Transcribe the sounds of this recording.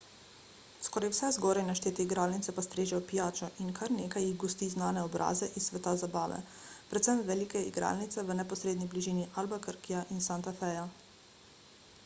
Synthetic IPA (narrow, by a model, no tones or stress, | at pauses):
skɔɾajwsɛzɡɔːɾajnaʃt̪eːt̪iiɡɾaːlnit̪ɛpast̪ɾeːʒɛjɔpijaːt͡ʃɔʔinkʰaɾneːkajiɣɡɔst̪iznaːnɛɔbɾʔa̰ːzɛʔisʋɛt̪azabaːʋɛ̰ | pɾɛt̪səmʋɛlikɛḭɡɾa̰ːlnit̪sɛʋənɛpɔsɾeːd̪nibliʒiːniʔalbakəɾkijaʔinsant̪afɛja